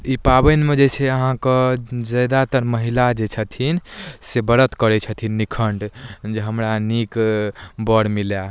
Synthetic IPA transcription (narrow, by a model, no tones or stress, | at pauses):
ipabənmed͡ʒet͡ʃʰɛəɦãkəd͡ʒəjd̪at̪əɾməɦilad͡ʒet͡ʃʰət̪ʰinsebəɾət̪kəɾɛt͡ʃʰət̪ʰinːikʰəɳɖd͡ʒeɦəmɾanikbəɽmilja